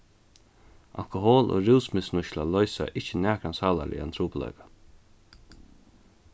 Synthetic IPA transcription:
ʔa̰lkʊɦoːlʔo̰ːɾɪwsmɪsnʊʃlalɔʏsa̰ʔɪht͡ʃənæːkɾansaːla̰lʔɪ̰ant̪ʰɾuːplɔ̰ʏkḁ

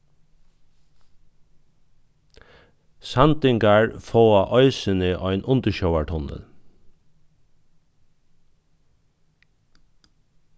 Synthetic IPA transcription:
sɑnt̪ɪŋɡaɹfoːaʔɔʏsənɪʔɔʏnʔʊnt̪əʃœʊaʈʰɔnə̰l

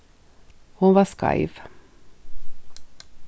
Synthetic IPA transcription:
hʊnvaskʰa̰jv

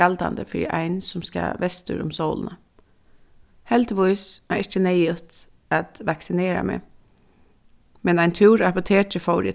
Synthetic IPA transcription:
ald̪a̰nd̪əfɪɾḭʔa̰ɪnsʊmska̰ʋɛst̪ə̰ɾʊ̰msoʊlnə | hɛlt̪ʋʊɪsæɹɪt͡ʃənɛjʊt̪ | at̪ʋaksɪneːɾa̰mḛ | mɛnæɪnt̪ʰʉːɾapʊt̪ʰeːʈəfɔʊɾɪ̰

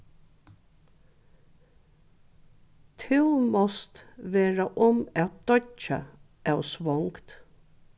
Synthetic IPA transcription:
t̪ʰɪwmɔst̪ʋeːɹaʔɔmæt̪̚d̪̥ɔt͡ʃa̰ | æwsʋɔŋkt̪

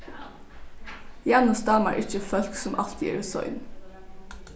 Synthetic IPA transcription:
jænʊsd̪ɑːmɑ̰ɹʔɪt͡ʃəfœlksʊmʔɑ̰lt̪ʰjḭːɹsɔ̰ʏn

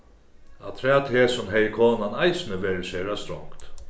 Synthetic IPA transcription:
at̪ʰɾɛːt̪ʰeːsʊmɦɛjəkʰoːnanajsnəʋeːɾəseːɾast̪ɾɔ̰ŋkt̪

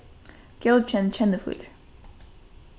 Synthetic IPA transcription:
ɡ̥ɛl̚ˠt͡ʃʰɛ̃nt͡ʃʰɛ̃nd̪əfṵl

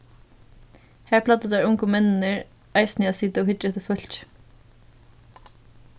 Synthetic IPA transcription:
hæːɹpʰlɑːt̪əd̪æːɹʊŋkʊmɛnnəɹ | ɑɪsnjɑsɪt̪əoːhʏt̪ɾt̪əfœlt̪

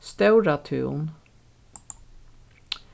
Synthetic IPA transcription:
st̪ɑʉɾɑt̪ʰʉ̰ːn

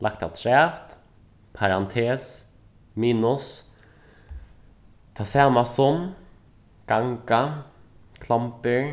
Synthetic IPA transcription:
lakt̪ʰa̰t̪ʰɾɛːft̪ | pʰaɾɑnt̪ʰeːs | miːnʊs | t̪ʰɑːsɛːmasɔm | ɡ̥aŋka | kʰlampəɾ

